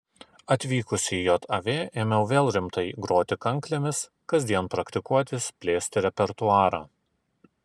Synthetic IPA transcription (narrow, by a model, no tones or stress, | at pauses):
ɐt̪ʲʋʲiːkʊsʲiːjot̪ʰɐʋʲeːʔeːmʲɛʊʋʲeːlˠɾʲɪmt̪ɐɪɡɾoːt̪ʲɪkɐŋklʲemʲɪs | kɐzʲd̪ʲiɛnpɾɐkt̪ʲɪkuɔt̪ʲɪspʲlʲeːsʲt̪ʲɪɾʲɛpʲɛɾt̪ʊɑːɾɑː